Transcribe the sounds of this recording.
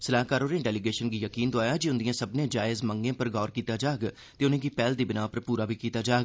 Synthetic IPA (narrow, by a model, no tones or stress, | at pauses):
səlaːɦkaːɾoːnẽːɖɛːliɡeːʃənɡiːjəkiːnd̪oaːjaːd͡ʒiʊnd̪ijãːsəbnẽːd͡ʒaːɪzməŋɡẽːpəɾɡɔːɾkiːt̪aːd͡ʒaːɡ | t̪eːʊnẽːɡiːpɛːld̪iːbɪnaːpəɾpuːɾaːbʱiːkiːt̪aːd͡ʒaːɡ